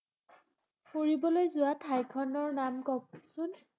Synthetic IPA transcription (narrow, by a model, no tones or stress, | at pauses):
poɹibɔlojzʊatʰajkʰɔnɔɹnamkɔk̚sʊn